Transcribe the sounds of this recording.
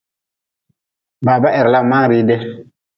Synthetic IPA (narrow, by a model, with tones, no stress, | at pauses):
baː˨ba˦ʔɛ˨ɾla˦˨ma˦ŋ˦ɾi˦dɛ˦